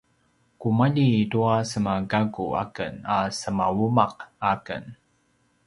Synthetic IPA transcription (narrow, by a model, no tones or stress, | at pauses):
kumaʎiduasəmaɡaɡua̰kə̰nasəmawumaqakə̰n